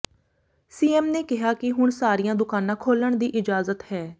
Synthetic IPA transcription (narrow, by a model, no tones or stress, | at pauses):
siːɛːmneːkɪɦaːkɪɦʊɳsaːɾijãːd̪ʊkaːnãːkʰoːləɳd̪iːʔɪd͡ʒaːzət̪hɛː